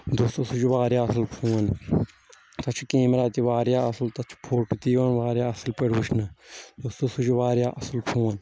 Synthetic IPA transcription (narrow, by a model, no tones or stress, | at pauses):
d̪ost̪osud͡ʒiʋaːɾjaːɐsɐlkʰuːn | t̪ɐt͡ʃʰu̥keːmɾaːt̪iʋaːɾjaːɐsɐlt̪ɐt͡ʃʰu̥pʰoːɽpit̪iːʋɐnʋaːɾjaːɐsɐlpɐɽʋuʃʰnɐd̪ost̪osud͡ʒiʋaːɾjaːʔɐslpʰũːn